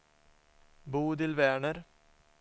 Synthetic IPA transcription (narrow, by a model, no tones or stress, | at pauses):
buːd̪ɪlʋæːɳəɾ